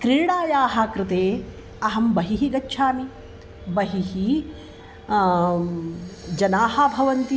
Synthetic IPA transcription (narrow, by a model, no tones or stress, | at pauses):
kɾiːɽaːjaːɦakɾɪt̪eː | ɐɦɐmbɐɦiɦiɡɐtːʃʰaːmi | bɐɦiɦi | d͡ʒɐnaːɦɐbʱɐʋɐnt̪i